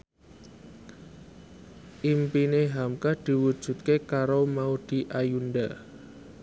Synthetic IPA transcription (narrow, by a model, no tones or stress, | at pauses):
ʔimpineɦamkad̪̥i̤wud̥ʒ̥ṳt̪̚kekaɾomaud̪̥i̤ʔajunɖa